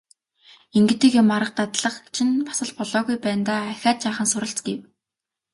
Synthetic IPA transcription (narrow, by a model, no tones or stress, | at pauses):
eŋɡɘ̆t̪eːkjʊmaɾə̆q̚t̪at̪ɮə̆χt͡ɕʰinpḁsə̆ɮpɔɮɔːɣujpæːnt̪aːæxʲaːt̪̚t͡ɕaːχə̆nsʊɾə̆ɬt͡sɡew